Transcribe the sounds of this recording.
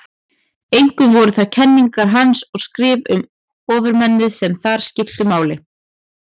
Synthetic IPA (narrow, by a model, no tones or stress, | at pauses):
ejŋ̥kʏvɔɾʏθaðcʰɛnːiŋkaɾ̥ɦansɔɣskɾɪːvʏm | ɔːvʏɾmɛnːɪðsɛmθaɾ̥scɪft̪ʏmaːwlɪ